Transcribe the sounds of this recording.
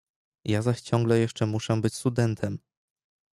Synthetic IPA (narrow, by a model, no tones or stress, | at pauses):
jazaɕt͡ɕɔ̃ŋɡlɛjɛʂt͡ʂɛmuʂɛbɘt͡ɕst̪ud̪ɛnt̪ʰɛm